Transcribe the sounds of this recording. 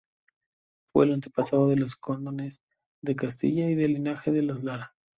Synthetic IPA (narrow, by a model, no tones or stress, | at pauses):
fwḛːlant̪̬epasaðoðe̞lo̞sko̞nd̪onez | ðe̞kast̪ḭʝaiðelinaxe̞ðe̞lozlaɾa